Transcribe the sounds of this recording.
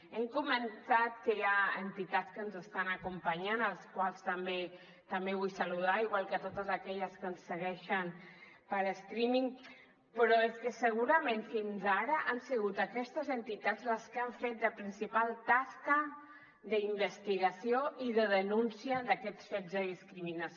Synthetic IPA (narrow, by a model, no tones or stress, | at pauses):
ɛmkuməntat̪kəjaənt̪it̪at͡skənzəst̪anəkumpaɲanəlskwalˠst̪əmbe | t̪ambeβ̞ujsaluð̞aiɣwalˠkət̪ot̪əzakɛʎəskənsːəɣɛʃən | pəɾəst̪ɾimiŋ | pɾɔəlˠskəsəɣuɾəmẽnfinzaɾəʔansiɣut̪akɛst̪əzənt̪it̪ad͡zləskaɱfet̪̚d̪əpɾinsipalˠt̪askə | ðəimbəst̪iɣasioiðəðənunsiəðakɛt͡sfezðəðiskɾiminas